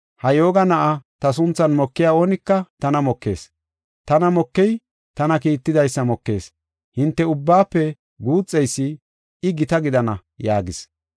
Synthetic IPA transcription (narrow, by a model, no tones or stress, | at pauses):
hɐjoːɡɐnɐʔɐt̪ɐsʊnt͡sːɐnmɔkːɪjaːo̞ːnɪkːɐt̪ɐnɐmɔkːe̞̰ːs | t̪ɐnɐmɔkːɛj | t̪ɐnɐkiːt̪ːɪd̪ɐjsːɐmɔkːe̞ːs | hɪnt̪ːɛʊbːaːpːɛ | ɡuːt͡sʼːɛjsːɪ | ɪɡɪt̪ɐɡɪd̪ɐnɐ | jaːɡɪs